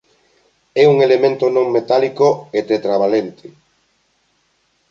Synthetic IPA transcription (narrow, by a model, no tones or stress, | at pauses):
ɛuŋelemẽnt̪onõŋmet̪alikoet̪et̪ɾaβalent̪e